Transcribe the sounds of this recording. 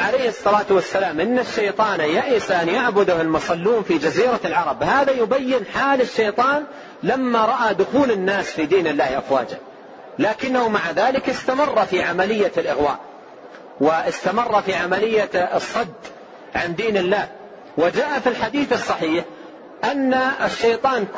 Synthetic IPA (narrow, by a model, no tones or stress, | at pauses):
ʕalajhɨsˤːɑlaːt̪wasːalaːmʔɪnːaʃːajt̪ˤɑːnjaʔɪsaʔanjaʕbʊd̪ʊhɪlmʊsˤɑlːuːnfid͡ʒaziːɾalʕɑɾˤɑbhaːðajʊbajːɪnħaːlɪʃːejt̪ˤɑːn | lamːaɾˤɑʔad̪ʊxuːlɪnːaːsfiːd̪iːnɪlːaːhʔafwaːd͡ʒa | laːkɪnːahʊmaʕaðaːlɪkɪst̪amɑrˤːɑfiʕamalɪjːalʔɪɣwa̰ːʔ | wɪɪst̪amɑrˤːɑfiʕamalɪjːasˤːɑd̪ | ʕand̪iːnɪlːaːh | wɪd͡ʒaːʔafilħad̪iːθɨsˤːɑħiːħ | ʔanːaʃːejt̪ˤɑːn